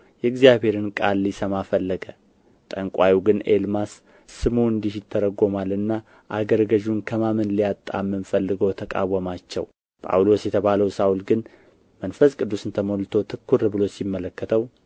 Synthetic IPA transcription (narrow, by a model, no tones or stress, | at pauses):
jɛɡzijaβhe̞ɾɨnkʼalːisəmafəlːəɡə | t̪ʼəŋkʼawiɡɨnḛlmasː | ɨmuɨnd̪ihjɪt̪ʰːəɾəɡo̞malɨnːa | ʔaɡəɾɡəʒunkʰəmamɨnlijat̪ʼːa̰mːɨnfəlːɨɡot̪ʰəkʼa̰wːəmat͡ʃːɛ̰w | pʼa̰wlo̞sjɛt̪ʰəβaləwsawulɡɨn | mənfəskʼɨd̪ːusɨnt̪ʰəmolt̪ʰo̞t̪ʰɨkʰːuɾɨbɨlo̞simːələkːət̪ʰəw